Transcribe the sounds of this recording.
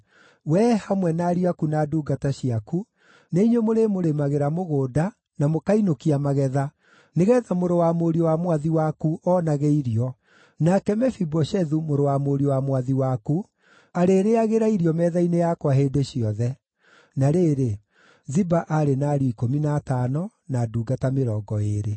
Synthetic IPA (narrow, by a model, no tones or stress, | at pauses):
wɛhamwɛnaɾiakunaduːɡataɕiaku | neiɲwemoɾemoɾemaɣeɾamoɣoːda | namokainokiamaɣɛða | neɣɛðamoɾowamoɾiɔwamwaðiwakuʔɔːnaɣɛiɾiɔ | nakɛmɛfibɔʃɛðumoɾowamoɾiɔwamwaðiwaku | aɾeːɾeaɣeɾaiɾiɔmɛðainejakwaɦeːdeɕiɔðɛ | naɾeːɾe | zibaʔaɾenaɾiːkominaːtanɔ | naːduːɡatameɾɔːɡɔeɾe